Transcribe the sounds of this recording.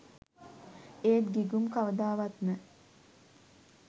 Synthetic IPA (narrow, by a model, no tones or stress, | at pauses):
eːt̪ɡiɡumkaʋəd̪aːʋat̪mə